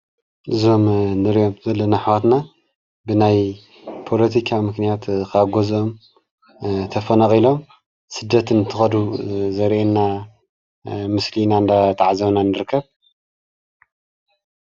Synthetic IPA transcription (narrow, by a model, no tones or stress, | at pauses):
ʔɨzo̞mnɨɾijo̞mzɐlːɐnaħawat̪na | bɨnaj | pʰo̞lɐt̪ʰikʰamɨknijat̪kʰaɡʷozom | t̪ʰɐfɐnɐqʼilo̞m | sɨd̪ːɐt̪ɨnɨt̪ʰɨxɐd̪uzɐɾʔenːa | mɨslinand̪at̪ʰaʕazɐβnanɨɾɨkʰːɐβ